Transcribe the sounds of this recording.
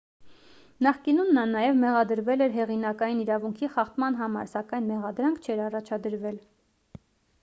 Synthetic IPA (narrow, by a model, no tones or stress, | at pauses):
nɑχkinunːɑnɑjɛvmɛʁɑd̪əɾvɛlɛɾɦɛʁinɑkɑjiniɾɑvuŋkʰiχɑχt̪mɑn̪ɦɑmɑ̰ɾsɑkɑjnmɛʁɑd̪ɾɑŋkʰt͡ʃʰɛɾɑrɑt͡ʃʰɑd̪əɾvɛl